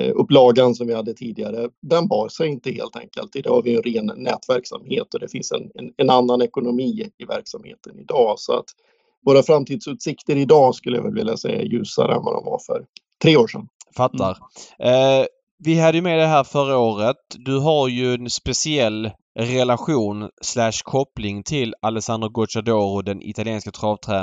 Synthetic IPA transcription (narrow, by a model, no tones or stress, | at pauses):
ɵpːlɑːɡansɔmvɪhad̪ːət̪ʰiːd̪ɪɡaɾəd̪ɛnbɑːɾsɛjɪnt̪əhḛːlt̪ʰɛ̰ŋkə̰lt̪ɪd̪ɑvaɾvɪɛnɾeːnːɛːt̪væɾksa̰mheːt̪ɔd̪ɛfɪnsɛ̰nɛnɛnanːanɛkʊnʊmiːɪvæ̰ɾksamhḛːt̪ʰənɪd̪ɑːsɔa̰t̪ | voːɾafɾamt̪ʰiːd̪sʉːt̪sɪkt̪əɾɪd̪ɑːskɵlːəja̰vɛlvɪljasɛ̰jːa̰jʉ̟ːsa̰ɾɛ̰nva̰d̪ɔ̰mva̰ɾfœ̰ɾt̪ʰɾeːoːʂɛnfat̪ːaɾ | vɪɦad̪ːəjɵmɛd̪ɛɦæːɾfœɾaoːɾət̪̚d̪ɵɦaɾjɵɛnspɛsɪɛlː | ɾɛlaɧuːnslæʂkʰɔplɪŋt̪ʰɪlalɛsand̪əɾɡɔʂad̪oːɾʊd̪ɛnʔɪ̰t̪aljeːnskat̪ʰɾɑːvt̪ʰɾæː